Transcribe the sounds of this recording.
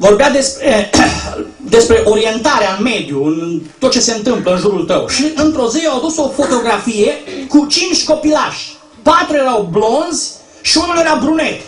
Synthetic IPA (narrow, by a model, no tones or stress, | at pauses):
vo̞rbead̪e̞spɾe | d̪e̞spɾe̞ʔoɾie̞nt̪aɾeaɨnme̞d̪juɨnt̪ot̪̚t͡ʃe̞se̞ɨnt̪ɨmpləɨnʒuɾult̪ə̰wʃiʔɨnt̪ɾo̞ziawad̪uso̞fo̞t̪o̞ɡɾafije̞kut͡ʃint͡ʃʲko̞pilaʃʲ | pat̪ɾuje̞ɾawblo̞nzʲ | ʃiunulje̞ɾabɾune̞t̪